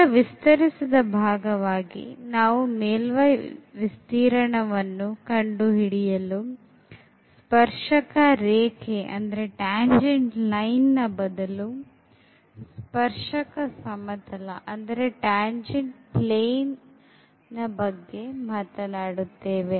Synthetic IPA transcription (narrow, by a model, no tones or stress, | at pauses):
ɐʋist̪ɐɾisid̪ɐbʱaːɡɐʋaːɡḭnaːʋumeːlʋɐjʋist̪iːɾɐɳɐʋɐnːukɐɳɖuɦiɽijɐlu | spɐɾʂɐkɐɾeːkʰeʔɐ̰nd̪ɐɾe̞ʈaːɲd͡ʒeɳʈlɐjnːɐbɐd̪ɐlu | spɐɾʂɐkɐsɐmɐt̪ʰɐlɐʔɐnd̪ɐɾe̞ʈaːɲd͡ʒeɳɖplejnː | ɐbɐɡːe̞maːt̪ɐnaːɽut̪ːeːʋe